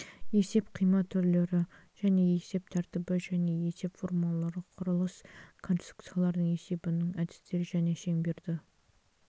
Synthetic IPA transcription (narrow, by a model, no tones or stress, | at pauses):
je̞se̞pqʰijmɑt̪ʰːʏɾle̞ɾɪ | ʒ̥æne̞e̞se̞p̚t̪ʰæɾt̪ɪbɪʒæne̞je̞se̞pfoɾmolˠːɑɾəqʰʊɾəlˠəskʰonsit̪ɾu̥kt̪sijalˠɑɾd̪əɴe̞se̞bɪnɪŋæd̪ɪ̥st̪e̞ɾɪʒæne̞ʃe̞ŋbe̞ɾd̪ɪ